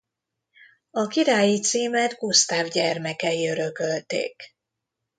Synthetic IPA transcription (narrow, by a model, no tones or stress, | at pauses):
ɒkiɾaːjit̪siːmɛd̪ɡust̪aːvɟɛrmɛkɛiøɾøkølt̪ḛːk